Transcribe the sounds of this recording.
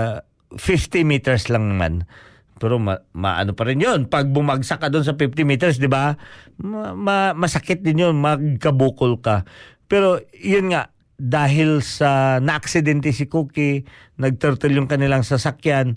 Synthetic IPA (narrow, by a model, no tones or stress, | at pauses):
fɪft̪ɪmit̪ɛɹslɐŋma̰n | pɛɾomɐma̰ʔɐ̰nopɐɾɪnjonpɐɡ̚bʊmaɡsakːɐd̪ons̬ɐpɪft̪ɪmit̪ɛɹs̬d̪ɪbammɐmɐsɐkɪt̪̚d̪ɪnjonmɐɡ̚kɐbuːkolkapɛːɾo̞jʊnŋaʔ | d̪aːɦɪlsɐnɐʔɐksɪd̪ɛnt̪ɛsɪkuːkɪ | nɐɡ̚t̪ɛɾt̪ɛljʊŋkɐnɪlaŋsɐsakjan